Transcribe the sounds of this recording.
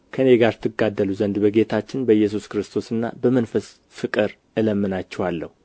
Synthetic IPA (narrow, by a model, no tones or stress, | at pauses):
kʰəneɡaɾt̪ʰɨɡːad̪ːəluzənd̪bəɡe̞t̪ʰat͡ʃːɪnbəjːɛs̬uskɾɨst̪ʰo̞sɨnːa̰bəmənfəs | fɨkʼɨɾ | ʔɨləmːɨnat͡ʃːɛwalːə̰hu